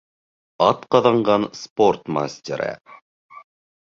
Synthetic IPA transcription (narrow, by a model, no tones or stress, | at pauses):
ɑt̪qɑðɑɴɢɑnsport̪ma̰sʲtʲeɾɘ̰